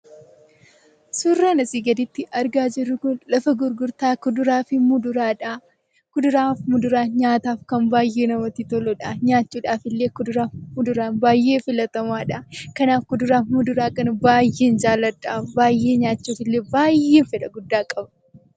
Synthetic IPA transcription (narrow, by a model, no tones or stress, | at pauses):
sʊrːaːnɐsiːɡɐd̪ɪt̪ːɪʔɐɾɡaːd͡ʒɪrːʊkʊnlɐfɐɡʊɾɡʊɾt̪aːkʊd̪ʊɾaːfɪmʊd̪ʊɾaːᶑa | kʊd̪ʊɾaːfmʊd̪ʊɾaːɲaːt̪aːfkɐmbaːjːe̞ːnɐmɐt̪it̪ɔlɔᶑaɲaːt͡ʃːuːᶑaːfɪlːeːkʊd̪ʊɾaːfmʊd̪ʊɾaːnbaːjːe̞ːfɪlɐt̪ɐmaːᶑɐkɐnaːfkʊd̪ʊɾaːfmʊd̪ʊɾaːkɐnɐbaːjːe̞ːnd͡ʒaːlːɐᶑaːbaːjːe̞ːɲaːt͡ʃːuːfɪlːeːbaːjːe̞ːnfɛᶑɐɡʊd̪ːaːkʼɐbɐ